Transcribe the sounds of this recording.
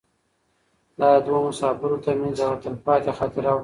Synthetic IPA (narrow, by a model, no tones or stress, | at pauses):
lɑd̪wɑmʊsɑbɪɾot̪amanzawaɾt̪əlpɑt̪exɑt̪ɪɾawɽ